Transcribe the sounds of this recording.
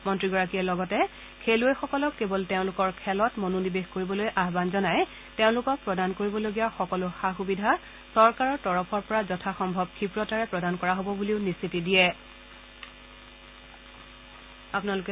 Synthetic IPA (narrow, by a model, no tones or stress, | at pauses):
mɔntɹiɡɔɹakiɛlɔɡɔtɛ | kʰeluejxɔkɔlɔkːebɔlteʊ̃lʊkɔɹkʰɛlɔtmononibexkoɹibɔlojʔaɦbanzɔnaj | teʊ̃lʊkɔk̚pɹɔdankoɹibɔloɡijaxɔkɔlʊxaxubidʱa | sɔɹkaɹɔɹtɔɹɔpʰɔɹpɔɹazɔtʰaxɔmbʱɔb̚kʰipɹɔtaɹɛpɹɔdankɔɹaɦobɔbuliʊnistʰitidijɛ | apʊnalʊkɛ